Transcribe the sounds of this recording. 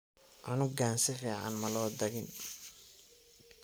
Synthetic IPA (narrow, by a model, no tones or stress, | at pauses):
ʔɐnʊɡaːnsɪrɛːʕa̰nmɐlɔːd̪ɐɣɪn